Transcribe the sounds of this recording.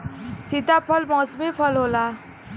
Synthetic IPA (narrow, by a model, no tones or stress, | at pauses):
sit̪apʰʌlmʌsmipʰʌlɦola